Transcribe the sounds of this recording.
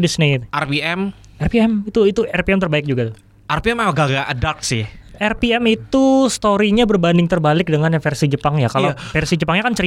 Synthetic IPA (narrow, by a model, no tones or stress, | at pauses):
disnit̪ʔarpiɛm | ɛrpiɛmit̪uit̪uʔɛrpiɛmt̪ərbaɪk̚d͡ʒuɡat̪ | ʔarpiɛmaɡaɡaʔədak̚sɪhɛrpiɛmit̪ust̪oɾiɲabərbandɪŋt̪ərbalɪk̚dəŋanfɛrsid͡ʒəpaŋjakalafɛrsid͡ʒəpaŋɲakant͡ʃəɾi